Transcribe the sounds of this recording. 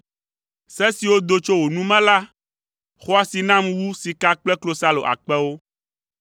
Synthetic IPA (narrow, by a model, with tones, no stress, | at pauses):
sɛ˦si˨wo˦d̪o˦t͡ʃo˦wo˨nũ˦mɛ̃˦la˦ | xɔ˦a˨si˨nã˦mwu˦si˨ka˦k͡plɛ˦klo˨sa˦lo̰˨ʔa̰˨k͡pɛ˦wo˦